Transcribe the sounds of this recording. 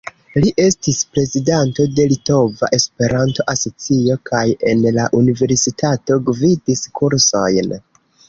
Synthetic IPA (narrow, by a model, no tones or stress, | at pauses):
liʔe̞stispɾe̞zidanto̞de̞lito̞va̰ʔe̞spe̞ɾanto̞ʔaso̞t͡sio̞kʰaje̞nlaʔunive̞ɾsitʰato̞ɡvidiskʰuɾso̞jn